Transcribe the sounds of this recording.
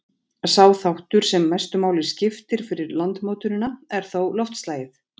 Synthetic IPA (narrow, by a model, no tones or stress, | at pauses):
saːwθawht̪ʏɾ̥sɛmːajst̪ʏmaːwlɪ̥scɪft̪ɪɾ̥fɪɾɪɾlant̪mowt̪ʏɾɪnːaɛɾ̥θowlɔft̪st̪laːjɪθ